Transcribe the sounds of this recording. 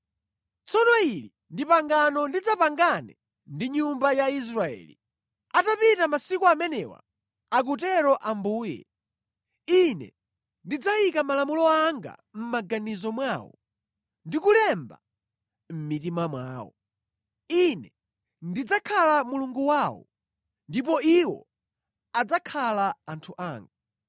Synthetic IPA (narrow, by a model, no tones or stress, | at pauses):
t͡sɔnɔili | ndipaŋɡanɔndid͡zapaŋɡanɛ | ndiɲumbajais̬ɾaɛ̰ːli | atapitamasikuamɛnɛwa̰ | ak̬utɛɾɔʔambuːjɛ̰ | inɛ̰ | ndid͡zawikamalamulɔaŋɡa̰m̩maɡanizɔmwaːwɔ̰ | ndikulɛmba̰ | m̩mit̬imamwa̰ːwɔ̰ | inɛ | ndid͡zakʰalamuluŋɡuwaːwɔ̰ | ndipɔiwɔ̰ | ad͡zakʰalaantʰuʔaːŋɡa